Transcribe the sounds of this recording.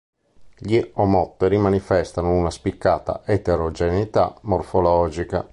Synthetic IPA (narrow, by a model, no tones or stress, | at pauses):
ʎiɔmɔt̪ːeɾimanifɛst̪anounaspikːaːt̪a̰et̪eɾɔd͡ʒenit̪amːɔrfɔlɔːd͡ʒika̰